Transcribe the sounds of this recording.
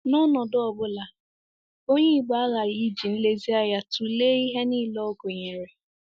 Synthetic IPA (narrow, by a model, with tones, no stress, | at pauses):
nɔ˦nɔ˨dʊ˦ɔ˨bʊ˦la˦ | o˦ɲe˦ɡ͡ba˨a˦ɣa˨ɾi˦d͡ʒi˨n̩˦le˦zi˦a˦ja˦tu˨le˦i˦ɦe˦ni˦˨lɔ˦ɡo˨ɲe˨ɾe˨